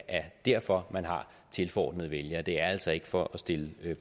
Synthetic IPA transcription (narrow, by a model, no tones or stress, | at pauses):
ʔæɐd̥æɐ̰fɒ̽mænɦɑ̈ | t͡sʰe̝lfɒ̰ːd̥nəð̞ˠʋeljɐd̥e̝æɐæl̰sɒ̽e̝ɡ̥əfɒʔɒ̽sd̥e̝ləø